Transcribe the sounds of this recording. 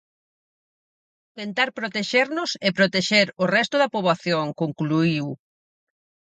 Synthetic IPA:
t̪ent̪aɾpɾot̪eʃeɾnʊsepɾot̪eʃeɾʊrɛst̪ʊðɐpoβlaθjoŋkoŋkluiw

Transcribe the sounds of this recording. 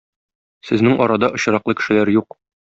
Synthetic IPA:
sɘ̆znɘŋɒɾɑd̪ɑʔŏɕ̆ɾɑqlɤkɘ̥̆ʃɘ̆læɾjuq

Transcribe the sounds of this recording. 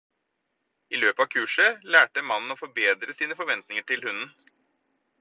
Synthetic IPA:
iløːpəɑːʋkʰʉːʂəlæːʈəmɑnn̩ɔfɔɾbeːd̪ɾəsiːnəfɔɾʋɛnt̪nɪŋəʈʰɪlhʉnn̩

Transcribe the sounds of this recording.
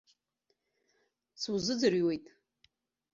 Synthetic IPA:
sʰuzɨd͡zɨrjwejtʼ

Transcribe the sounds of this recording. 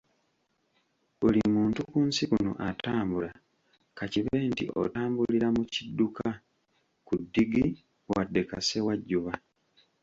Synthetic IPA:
olimuːntukuːnsikuno̰ʔataːmbula | kaciβe̞ːntḭʔo̰taːmbuliɾamucidːuka | kudːiɡi | wadːe̞ka̰se̞waɟːuβa

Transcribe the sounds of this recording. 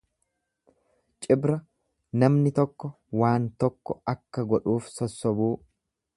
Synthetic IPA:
t͡ʃʼɪbɾɐ | nɐmnɪt̪ɔkːɔ | waːnt̪ɔkːɔɐkːɐɡɔᶑuːfsɔsːɔbuː

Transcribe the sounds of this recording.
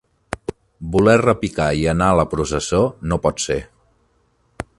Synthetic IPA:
bulɛrəpikaiənaələpɾus̬əsonopɔt̪se

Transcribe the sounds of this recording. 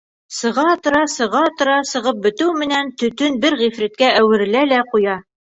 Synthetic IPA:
sɤ̆ʁɑt̪ɤ̆ɾɑsɤ̆ʁɑt̪ɤ̆ɾɑsɤ̆ʁɤp̚bɘ̆t̪ɘwmɘ̆nænt̪ɵ̆t̪ɵnbɘɾʁifɾit̪̚kæʔæwɘ̆ɾɘ̆lælæqujɑ

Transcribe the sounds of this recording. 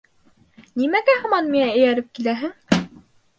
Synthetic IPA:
nimæɡæhɤ̆mɑnmiŋæɘ̆jæɾɘp̚kilæɦɘŋ

